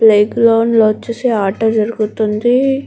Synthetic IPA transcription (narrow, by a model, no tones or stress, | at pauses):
plejɡloːnloːt͡ʃːuseːaːʈːɐd͡ʒɐɾuɡut̪und̪i